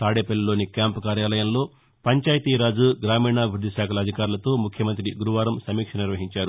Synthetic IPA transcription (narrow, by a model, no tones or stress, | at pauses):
t̪aːɽeːpelːɐlo̞ːnikʲjaːmpkaːɾjaːlɐjɐmlo̞ː | pɐɲt͡ʃaːjɐt̪iːɾaːd͡ʒuɡɾaːmiːɳaːʋiɾud̪ɐʃaːkʰɐlɐːd̪ʱikaːɾulɐt̪o̞ːmukʰjɐmɐnt̪ɾiɡuɾuʋaːɾɐmsɐmiːkʂɐniɾʋɐɦiɲt͡ʃaːɾu